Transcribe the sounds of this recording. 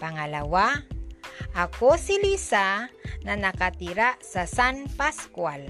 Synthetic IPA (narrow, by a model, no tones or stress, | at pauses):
paŋalawa | akosilisananakat̪iɾaʔsasanpaskwal